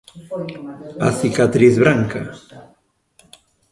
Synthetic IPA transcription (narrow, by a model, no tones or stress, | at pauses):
a̰θikat̪ɾiθβɾaŋka̰